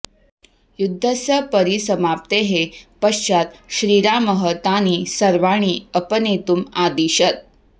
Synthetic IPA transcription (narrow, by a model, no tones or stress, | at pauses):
jud̪ʱːəsjəpəɾisəmap̚t̪eɦepəɕt͡ʃat̪ɕɾiːɾaməɦət̪aniːsəɾʋaɳ̃iːəpənet̪uːmad̪iɕət̪̚